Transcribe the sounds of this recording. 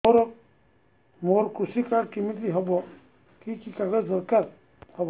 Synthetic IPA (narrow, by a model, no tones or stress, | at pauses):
oɾɔ | moɾkusikaɾkimitiɦɔbɔ | kikikaɡezɔɾkaɾ | hɔbɔ